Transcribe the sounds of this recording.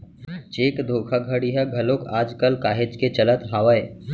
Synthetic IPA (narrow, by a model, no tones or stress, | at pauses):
t͡ʃeːkd̪ʱoːkʰaɡʱəɽiɦɐɡʱɐlokaːd͡ʒkəlkaːɦed͡ʒket͡ʃɐlət̪ɦaːʋəe